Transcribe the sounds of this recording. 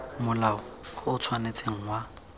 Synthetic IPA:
mʊlaʊkʊt͡sʰwanet͡sʼeŋ̩wa

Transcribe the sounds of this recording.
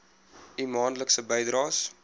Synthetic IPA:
imɑːnləksəbəjdrɑːs

